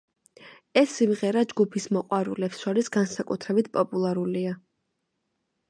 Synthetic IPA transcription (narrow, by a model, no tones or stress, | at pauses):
ɛsːimʁɛɾad͡ʒɡupʰismɔqʼwaɾṵlɛpsʃaɾisɡansakʼut̪ʰɾɛbit̪̚ʰpʼɔpʼulˠaɾulia